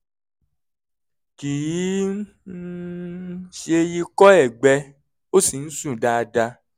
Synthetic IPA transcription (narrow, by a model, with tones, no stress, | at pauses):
ki˨ji˨˦ | ʃe˧ji˧kɔ˦ɛ˦˨ɡ͡bɛ˧ | o˦si˨ñ̩˦sũ˦˨da˧da˧